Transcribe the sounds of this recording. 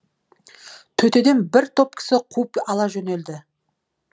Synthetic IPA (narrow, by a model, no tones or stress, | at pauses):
t̪ʰɵt̪e̞d̪e̞nbɪɾt̪ʰo̞p̚kʲʰɪ̥sɪqʰupɑlˠɑʒɵne̞ld̪ɪ